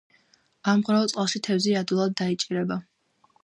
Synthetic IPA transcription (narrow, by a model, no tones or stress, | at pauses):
amʁɾaɔt̪sʼalˠʃit̪ʰɛvziad̪ilˠad̪̚ːait͡ʃʼiɾɛba